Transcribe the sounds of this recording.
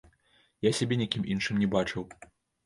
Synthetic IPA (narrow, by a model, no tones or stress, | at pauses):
jasʲabʲɛnʲakʲimʔinʂɨmnʲɛbat͡ʂɨw